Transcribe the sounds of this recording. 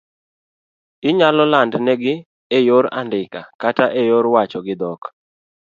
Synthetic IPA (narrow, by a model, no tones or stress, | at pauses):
ɪɲalɔlandnɛɡɪ | ejoɾa̰ndɪka̰kataʔejoɾwat͡ʃɔɡɪd̪ɔk